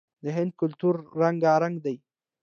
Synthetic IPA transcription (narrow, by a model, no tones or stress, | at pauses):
d̪əɦɪnd̪̚kʊlt̪uɾːaŋɡaɾaŋɡd̪aj